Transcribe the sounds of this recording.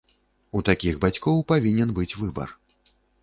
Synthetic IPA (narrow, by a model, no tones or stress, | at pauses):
ut̪akʲiɣbat͡sʲkɔwpavʲinʲɛnbɨt͡sʲvɨbɐ̰r